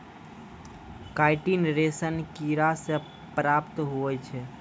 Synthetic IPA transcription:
kaːɪʈinɾesənkiɾase | pɾapt̪ɦuɛt͡ʃʰɛ

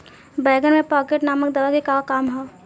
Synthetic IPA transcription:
bɛːɡənmẽpaːkeʈnaːməkd̪ɐʋaɡikakaːmɦoː

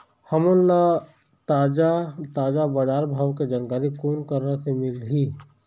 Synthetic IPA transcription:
hɐmənla | t̪aːd͡ʒat̪aːd͡ʒabaːd͡ʒaːɾbʱaːʋked͡ʒaːnkaːɾikuːnkəɾnasemɪlɦiː

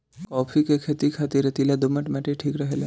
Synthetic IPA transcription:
kɔpʰikekʰet̪ikʰat̪iɾət̪ilad̪ʊməʈmaʈeʈʰiːkɾəɦela

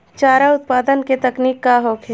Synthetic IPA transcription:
t͡ʃaːɾaʊt̪̚paːd̪ənket̪ɐkniːkːaɦoːkʰe

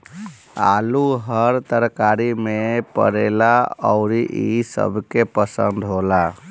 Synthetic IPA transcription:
a̰luɦəɾt̪əɾkaɾimepə̰ɾelaɔʊɾiʔisə̰bʱkepəsə̰nd̪ʱɦola

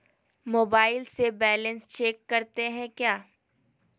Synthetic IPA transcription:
moːbaːɪlsebɛːlə̃nst͡ʃeːkːɐɾt̪eɦɛ̃kjaː

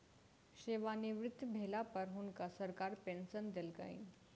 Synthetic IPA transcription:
ɕeʋaniʋɾɪt̪ːbʱelapəɾɦunkasəɾkaɾpensənd̪elɡa̰ḭn

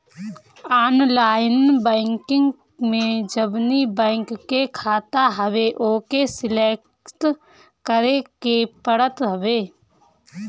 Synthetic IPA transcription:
aːnlaːjnbɛ̃ːŋkɪ̃ŋɡ | mẽd͡ʒəbnibɛ̃ːŋkːekʰaːt̪aɦəʋeʔoːkesɪleːk | t | kəɾekepəɽət̪ɦəʋeː

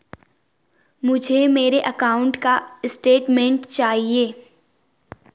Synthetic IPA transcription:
mʊd͡ʒʱemeːɾeʔɐkaːʊ̃ɳʈkaɪsʈeːʈmẽːɳʈt͡ʃaːɦieː

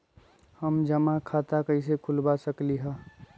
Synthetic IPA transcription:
həmd͡ʒəmakʰat̪akəɪsekʰulbasəkliɦə̃

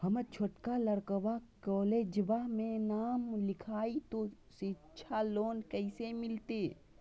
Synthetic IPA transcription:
həmət͡ʃʰoʈkaləɾkəʋakɔːleːd͡ʒʋamẽnaːmlɪkʰaːit̪o | sɪtːʃʰaloːnkəɪsemɪlt̪e

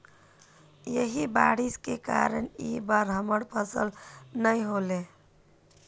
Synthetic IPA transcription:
jəɦibaɽiskeka̰ɾənibaɾɦəməɽpʰəsə̰lnəjɦole

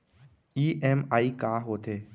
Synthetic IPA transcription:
iːʔemaːikaːɦoːt̪eː

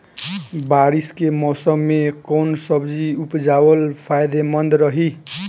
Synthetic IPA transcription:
baɾiskemʌsʌmːekownsʌbd͡ziupd͡zawʌlpʰajd̪emʌnd̪ɾʌɦi

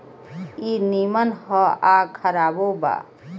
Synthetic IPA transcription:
inimənhəakʰəɾaboba̰

